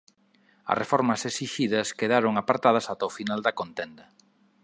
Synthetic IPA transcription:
ɐ̰refɔɾmɐsesiʃiðɐskeðaɾoŋapaɾt̪að̞ɐsat̪ɐofinald̪ɐkont̪end̪ɐ

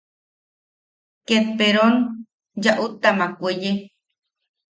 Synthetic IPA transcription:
ket̪̚peɾon | d͡ʒaʔut̪amakʷeje

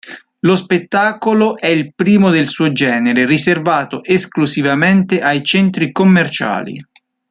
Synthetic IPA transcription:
lospet̪ːaːkoloʔɛilpɾiːmod̪elsuːod͡ʒɛːneɾeriservaːt̪oʔesklusivament̪eʔajt͡ʃɛnt̪ɾikomːert͡ʃa̰ːlḭ

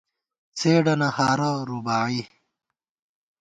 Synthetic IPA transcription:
t͡sʰeːɖɐnɐhaːɾaɾubaːi

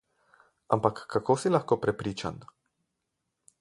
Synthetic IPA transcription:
ampakːakoːsilaxkopɾɛpɾiːt͡ʃa̰n

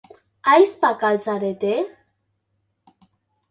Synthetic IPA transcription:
ajspakalt͡saɾet̪e

